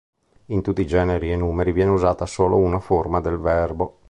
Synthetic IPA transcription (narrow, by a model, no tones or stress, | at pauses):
int̪ut̪ːid͡ʒɛːneɾienuːmeɾivjɛːneuzaːt̪asoːlounaformad̪elvɛrbo